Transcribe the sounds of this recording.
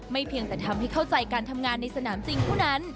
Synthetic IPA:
ma˥˩jpʰi˧əŋt̪ɛː˨˩t̪ʰa˧mha˥˩jkʰa˥˩wt͡ɕa˧jkaː˧nt̪ʰa˧mŋaː˧nːa˧jsa˧naː˩˦msi˨ŋt̪ʰɔː˥˩na˦˥n

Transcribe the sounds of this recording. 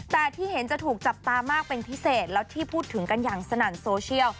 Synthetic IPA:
t̪ɛː˨˩t̪ʰiː˥˩he˩˦nt͡ɕa˨˩t̪ʰuː˨˩k̚t͡ɕa˨˩p̚t̪aː˧maː˥˩k̚pe˧npʰi˦˥seː˨˩t̪̚lɛː˦˥wt̪ʰiː˥˩pʰuː˥˩t̪ʰːɯ˩˦ŋka˧njaː˨˩ŋsa˧naː˨˩nsoː˧t͡ɕʰi˥˩əw

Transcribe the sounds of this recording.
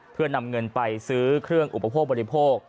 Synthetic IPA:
pʰɯ˥˩ɐna˧mŋɤ˧npa˧jsɯː˦˥kʰɾɯ˥˩əŋʔu˨˩pa˧pʰoː˥˩k̚bɔː˧ɾi˦˥pʰoː˥˩k̚

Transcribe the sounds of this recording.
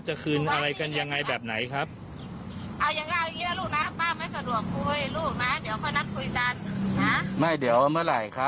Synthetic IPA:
t͡ɕa˨˩kʰɯː˧nʔa˧ɾa˧jka˧nja˧ŋːa˧jbɛː˨˩p̚na˩˦jkʰa˦˥p̚ | ʔa˧˩wja˧ŋa˧˩jŋiː˧˦˥la˧˥˧luː˧˩k̚naː˧˥˩paː˧˥ma˧˥˩ksa˧˩du˨˩ək̚kʰu˧jluː˥˩k̚naː˧˥˨di˨˦əwkʰɔ˧˥˩jna˧˥˩m̚kʰu˧˩jka˧nha˦˥ma˧˥˩jdi˩˦əwmɯ˧˩ɐ˨la˨˩jkʰa˦˥

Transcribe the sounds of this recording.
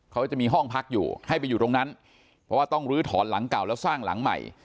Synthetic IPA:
kʰa˦˥t͡ɕa˨˩miː˧ɦɔ˥˩ŋpʰa˦˥k̚jṵː˨˩ha˥˩jpa˧jːuː˨˩t̪o˧ŋna˦˥n | pʰɾɔ˦˥waː˥˩t̪ɔ˥˩ŋɾɯː˦˥t̪ʰɔː˩˦nla˩˦ŋka˨˩wlɛː˦˥wsaː˥˩ŋla̰˩˦ŋma̰˨˩j

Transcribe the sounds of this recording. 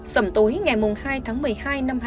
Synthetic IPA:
sə̰˧˩ŋ͡mt̪u˨˦jŋa˨˩jmu˨˩ŋ͡mhaː˧jt̪ʰaː˨˦ŋmɨ˨˩əjhaː˧jna˧m˧

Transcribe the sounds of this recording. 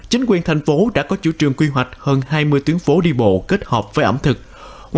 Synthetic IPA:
t͡ɕï˨˦ŋ̟kwi˨˩ənt̪ʰa˨˩jŋ̟fo˨˦ɗa̰ː˧˥kɔ˨˦t͡ɕṵ˧˩˥t͡ɕɨ˨˩əŋkwi˧ɦwa˨˩jk̟̚həː˧nhaː˧jmɨ˧əjt̪wi˨˦ənfo˨˦ɗi˧ɓo̰˧˨ke˦˥t̚həː˨˩p̚vəː˨˦jʔə̰˧˩mt̪ʰɨ˨˩k̚

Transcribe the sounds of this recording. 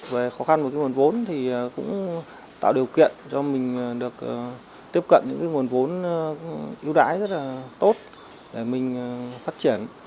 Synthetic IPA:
ve˨˩xɔ˨˦xa˧no˨˩kaː˨˦ŋ˨˩ən˩vo˨˦nt̪ʰi˨˩˨kʊ̰˧˥ŋ͡m | t̪a̰ː˧˨wɗi˨˩əwkḭ˧˨ənt͡ɕɔ˧mï˨˩ŋ̟ː˨˩ɗɨ˨˩ək̚ː | t̪i˦˥əp̚kə̰˧˨nɲɨ̰˧˥ŋkaː˨˦jŋu˨˩ənvo˨˦n˨ʔi˧wɗa̰ː˧˥jzə˦˥t̚laː˨˩t̪o˦˥t̚ | ɗe˧˩mï˨˩ŋ̟˨˩faː˦˥t̚t͡ɕi˧˩ən

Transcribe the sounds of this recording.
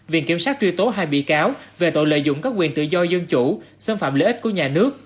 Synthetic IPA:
vḭ˧˩ənki˧˩əmsaː˦˥t̚t͡ɕwi˧t̪o˨˦ɦaː˧jɓḭ˧˨kaː˨˦wve˨˩t̪o̰˧˨jlə̰˧˨jzʊ̰˧˥˨ŋ͡mkaː˦˥k̚wi˨˩ənt̪ɨ̰˧˨zɔ˧zə˧nt͡ɕu˧˩˨sə˧nfa̰ː˧˨mləː˨˦ʔi˦˥t̚ku˧˩əɲaː˨˩nɨ˦˥ək̚

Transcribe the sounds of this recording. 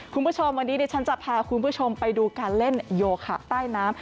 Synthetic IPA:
kʰu˧nmbuː˥˩t͡ɕʰo˧mwa˧nːi˦˥daː˧jt͡ɕʰa˦˥nt͡ɕa˨˩t̪̚pʰaː˧kʰu˧npʰuː˦˥˩t͡ɕʰo˧mpa˧jduː˧kaː˧nle˥˩njoː˧kʰa̰˨˩t̪aː˥˩jnaː˦˥m

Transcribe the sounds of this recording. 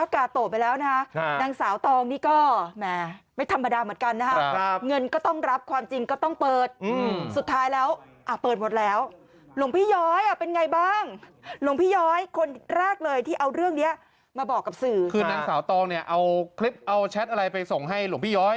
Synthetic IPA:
ʔaː˧kaː˨˩t̪ːoː˨˩t̪̚pa˧jlɛː˦˥wna˦˥kʰa˦˥˧naː˧ŋsaː˩˦wt̪ɔː˧ŋniː˥˩kɔː˥˩mɛ˧˩ma˥˩jt̪ʰa˧mːa˧daː˧mɯ˩˦ənka˧nːa˦˥kʰa˥˦˥ŋɤ˧nkɔː˥˩t̪ɔ˥˩ŋɾa˦˥p̚kʰwaː˧mt͡ɕi˧ŋkɔː˥˩t̪ɔ˥˩ŋpɤː˨˩t̪̚ːsu˨˩t̪ʰːaː˦˥jlɛː˦˥w | ʔa˨˩pɤː˨˩t̪̚mo˨˩t̪̚lɛː˦˥w | lo˩˦ŋpʰiː˥˩jɔː˦˥jʔa˨˩pe˧nŋa˧jbaː˥˩ŋlo˩˦ŋpʰiː˥˩jɔː˦˥jkʰo˧nɾɛː˥˩k̚lɤː˧jt̪ʰiː˥˩ʔa˧wɾɯ˥˩əŋni˦˥ɐʔ | maː˧bɔː˨˩kːa˨˩p̚sɯː˨˩kʰɯː˧naː˧ŋsaː˩˦wt̪ɔː˧ŋni˥˩ɐʔa˧wkʰli˦˥p̚ʔa˧wt͡ɕʰɛ˦˥t̪̚ʔa˧ɾa˧jpa˧jso˨˩ŋɦa˥˩jlu˩˦ŋpʰiː˦˥˩jɔː˦˥j

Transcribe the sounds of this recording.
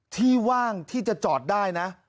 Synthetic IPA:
t̪ʰiː˥˩waː˥˩ŋt̪ʰiː˥˩t͡ɕa˨˩t͡ɕɔː˨˩t̪̚daː˥˩jna˦˥ʔ

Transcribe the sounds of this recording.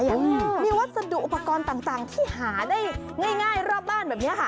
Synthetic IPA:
jmiː˧wa˦˥t̪̚sa˧du˨kʔu˨˩pːa˧kɔː˧nt̪aː˨˩ŋt̪aː˨˩ŋt̪ʰiː˥˩haː˩˦daː˥˩j | ŋaː˥˩jŋaː˥˩jɾɔː˥˩p̚baː˥˩nbɛː˨˩p̚ni˦˥ɐkʰa˥˩

